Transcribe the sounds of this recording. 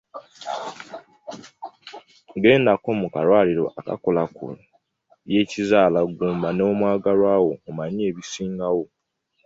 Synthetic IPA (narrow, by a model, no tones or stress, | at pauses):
ɡe̞ːndako̞mukalwaːliɾo̞̰ʔaka̰kolakṵ | je̞cizaːlaɡuːmbano̞ːmwaːɡalwaːwo̞omaɲeːβisiːŋɡawo̞